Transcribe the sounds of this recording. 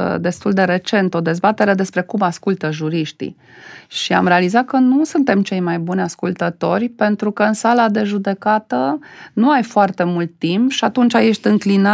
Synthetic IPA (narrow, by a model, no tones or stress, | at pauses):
d̪e̞st̪uld̪e̞ɾe̞t͡ʃe̞nt̪o̞d̪e̞zbat̪e̞ɾe̞d̪e̞spɾe̞kumaskult̪əʒuɾiʃt̪ḭ | ʃia̰mɾealizat̪̚kənusunt̪e̞mt͡ʃe̞jmajbunʲaskult̪ət̪o̞rʲpe̞nt̪ɾukəɨnsalad̪e̞ʒud̪e̞kat̪ənuajfoart̪e̞mult̪ːimpʃiat̪unt͡ʃaje̞ʃt̪ʲɨŋklina